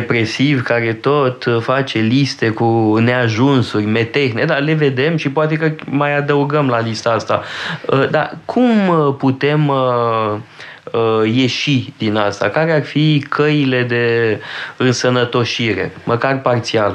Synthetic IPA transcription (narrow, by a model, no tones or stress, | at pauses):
epɾe̞sivkaɾe̞t̪o̞t̪fat͡ʃe̞list̪e̞kune̞aʒunsurʲme̞t̪exned̪ale̞ve̞d̪e̞mʃipoat̪̬e̞kəmajad̪əuɡəmlalist̪aast̪aəd̪a̰kʰumput̪e̞m | əje̞ʃid̪inast̪a̰kaɾearfikʰəjile̞d̪e̞ | ɨnsənət̪o̞ʃiɾe̞̰məkarpart̪sial